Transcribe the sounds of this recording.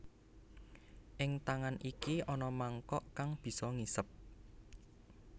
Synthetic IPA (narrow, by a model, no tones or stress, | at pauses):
ʔɪŋt̪aŋanʔikiʔɔnɔmaŋkɔʔkaŋb̥i̤sɔŋisəp̚